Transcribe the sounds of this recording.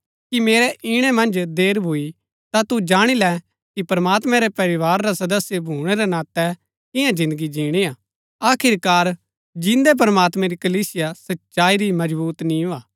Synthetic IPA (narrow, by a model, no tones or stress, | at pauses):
kimeːɾɛʔɪɽ̃ɛmɐ̃nd͡ʒd̪eːɾbʱui | t̪at̪ud͡ʒaːɽ̃ilɛ | kipɐɾmaːt̪mɛ̃ɾɛpɐɾɪʋaːɾːasɐd̪əsːjebʱuːɽ̃ɛɾɛnaːt̪ɛ | kɪjãd͡ʒɪ̃nd̪əɡid͡ʒiːɽ̃iaː | aːkʰɪɾkaːɾ | d͡ʒɪ̃nd̪ɛp̬ɐɾmaːt̪mɛ̃ɾikɐliːsɪjasɐtːʃaːiɾimɐd͡ʒbuːt̪nĩũaː